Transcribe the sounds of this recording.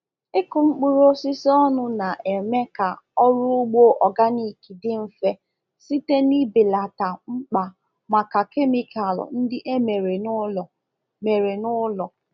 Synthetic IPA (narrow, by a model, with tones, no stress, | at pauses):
ɪ˦kʊ˨ŋ͡m̩˦k͡pu˦ɾo˦sɪ˦si˦ɔ˦nʊ˦na˨ʔe˨me˦ka˨ɔ˦ɾʊ˦ʊ˦ɡ͡bo˦ʔɔ˨ɡa˦ni˨ki˨dɪ˦m̩˦fe˦ | si˦te˦ni˦bɪ˨la˨ta˨ŋ͡m̩˦k͡pa˨ | ma˨ka˨ke˦mi˦ka˨lɔ̰˨n̩˦dɪ˦ʔe˦me˨ɾe˨nʊ˦ɔ˨ | me˨ɾe˨nʊ˦lɔ˨